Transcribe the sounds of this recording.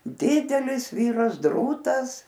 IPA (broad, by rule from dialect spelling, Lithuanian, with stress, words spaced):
ˈdʲɪdʲɛlʲɪs ˈʋʲiːrɐs ˈdruːtɐs